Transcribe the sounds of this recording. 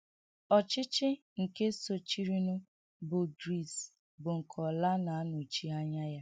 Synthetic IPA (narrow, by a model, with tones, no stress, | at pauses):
ɔ˨t͡ʃɪ˦t͡ʃɪ˦ | ŋ̩˨ke˦so˨t͡ʃi˦ɾi˦nʊ˦ | bʊ˨ɡɾi˨s | bʊ˨ŋ̩˨kʰɔ˨la˦na˨a˦nʊ˨t͡ʃi˦a˦ɲa˦ja˦